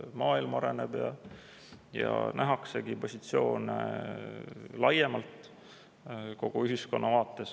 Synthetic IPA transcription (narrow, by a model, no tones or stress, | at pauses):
mɑːilmɑɑɾeneb̥jɑ̰ | jɑ̰næɦɑkse̞ɡipo̞sʲit̪sio̞ːnḛ | lɑjemɑlt̪ | ko̞ɡ̥uyɦisko̞nːɑvɑːt̪ːˑe̞s